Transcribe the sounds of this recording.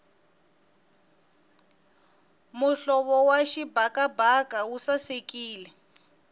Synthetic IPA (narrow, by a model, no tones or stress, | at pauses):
muɬɔβɔwaʃibʱakabʱakawusasekiːlɛ